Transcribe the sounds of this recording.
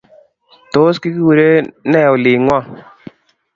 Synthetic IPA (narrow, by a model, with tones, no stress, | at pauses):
to˨˦ski˦ki˦we˨ɾe˦nɛ˦˨ʊ˨li˨ŋwa˦˨